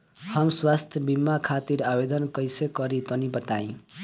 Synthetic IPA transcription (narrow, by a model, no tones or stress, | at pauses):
hʌmswast̪ʰjʌbimːakʰat̪iɾabed̪ʌnkʌjsekʌɾit̪ʌnibʌt̪aĩ